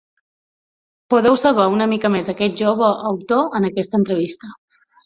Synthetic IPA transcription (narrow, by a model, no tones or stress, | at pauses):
puðɛwsəlˠβaunəmikəmezd̪əkɛt̪̚ʒoβ̞əʔːwt̪oənəkɛst̪əːnt̪ɾəβ̞ist̪ə